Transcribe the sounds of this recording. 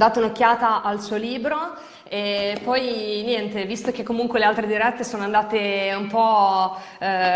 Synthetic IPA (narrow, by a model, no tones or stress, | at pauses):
d̪aːt̪aunokːaːt̪aʔalsuːoliːbɾo | epːɔjnjɛnt̪evist̪ok̟ekːomuŋkwelealt̪ɾed̪iɾɛt̪ːesoːnoand̪aːt̪eumpɔ